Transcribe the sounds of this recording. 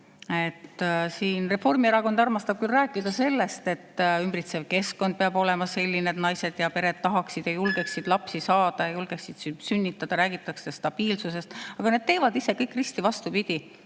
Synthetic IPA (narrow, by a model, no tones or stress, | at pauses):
e̞t̪ːsiːnre̞fo̞rmieɾɑko̞nd̪̥ɑrmɑst̪ɑb̥̚kylræːkˑːid̪ɑse̞lːe̞st̪e̞t̪ːymbrit̪sevke̞sko̞nd̪̚peɑbo̞lɛ̞mɑse̞lʲːineːt̪nɑjse̞d̪̥jɑpe̞ɾe̞d̪̥̚t̪ɑɦɑksid̪̥jɑjulɡ̥e̞ksid̪̥lɑpsisɑːd̪̥ɑjɑjulɡ̥e̞ksid̪̥ssynʲːit̪ˑːɑd̪̥ɑɾæːɡit̪ːˑɑkse̥st̪ɑb̥iːlsuse̞st̪ɑɡ̥ɑne̞d̪̚t̪e̞ːvɑd̪ise̞kɤjkːˑrist̪ivɑst̪upid̪̥ʲi